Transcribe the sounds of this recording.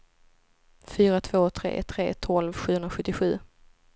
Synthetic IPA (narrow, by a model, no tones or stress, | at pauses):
fyːɾat̪ʰv̥oːt̪ʰɾḛːt̪ʰɾḛːt̪ʰɔlvɧʉ̟ːhɵnɾaɧɵt̪ːɪɧʉ̟̰ː